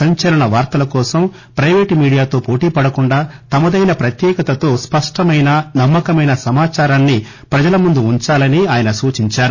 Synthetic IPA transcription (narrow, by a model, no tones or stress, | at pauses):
sɐɲt͡ʃɐlɐɳɐʋaːɾt̪ɐlɐkɔːsɐm | pɾɐjʋeːʈmiːɽijaːt̪o̞ːpo̞ːʈiːpɐɽɐkuɳɖaːt̪ɐmɐd̪ɐjnɐpɾɐt̪jɛːkɐt̪ɐt̪o̞ːspɐʂʈɐmɐjnɐnɐmːɐkɐmɐjnɐsɐmaːt͡ʃaːɾaːnːi | pɾɐd͡ʒɐlɐmund̪uuɲt͡ʃaːlɐniaːjɐnɐsuːt͡ʃiɲt͡ʃaːɾu